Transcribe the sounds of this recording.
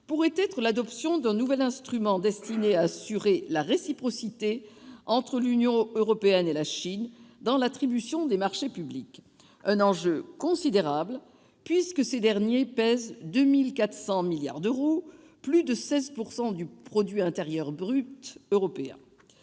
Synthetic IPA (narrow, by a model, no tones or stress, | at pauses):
puʁɛt̪ɛt̪χəlad̪ɔpsjɔ̃d̪ɛ̃nuvɛlɛ̃st̪χymɑ̃d̪ɛst̪ineaːsyʁelaʁesipχɔsit̪eɑ̃t̪χəlynjɔ̃øʁɔpeɛnelaʃind̪ɑ̃lat̪χibysjɔ̃d̪emaʁʃepyblik | ɛ̃nɑ̃ʒøkɔ̃sid̪eʁabl | pɥiskəsed̪ɛʁnjepɛzd̪ømilkat̪χə̥sɑ̃milja̰ʁd̪øʁo | plyd̪əsɛzpuʁsɑ̃d̪ypχɔd̪ɥiɛ̃t̪eʁjœʁbʁyt̪øʁɔpeɛ̰̃